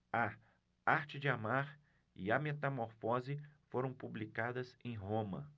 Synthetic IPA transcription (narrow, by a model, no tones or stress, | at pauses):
ɐ | aɾt͡ʃɪd͡ʒɪamaɾ | ɪɐmet̪amoɾfɔzɪfoɾɐ̃w̃publikad̪ɐsẽj̃ɦõmɐ̰